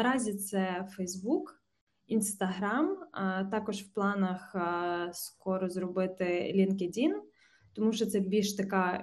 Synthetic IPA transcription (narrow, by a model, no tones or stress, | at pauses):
ɐɾɑzʲit̪sɛfɛjzbuk | inst̪ɐɦɾamt̪ɑkɔʒwplˠɑnɐxskɔɾɔzrɔbɪt̪ɪlʲinkedʲin | t̪ɔmuʃɔt̪sɛbʲilʲʃt̪ɐkɑ